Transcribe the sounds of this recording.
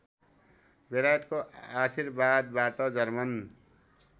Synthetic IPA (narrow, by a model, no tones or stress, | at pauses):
beɾajʌt̪koasirbad̪̚baʈʌd͡zʌrmʌn